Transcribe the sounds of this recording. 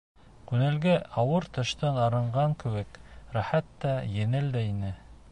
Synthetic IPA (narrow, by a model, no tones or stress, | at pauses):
kʉnælɡæʔɑwɤɾt̪ɤ̆ʃt̪ɤnɑɾɤ̆ɴɢɑŋkɘ̆wɘkɾæħæt̪ːæjɘ̆nɘld̪æinɘ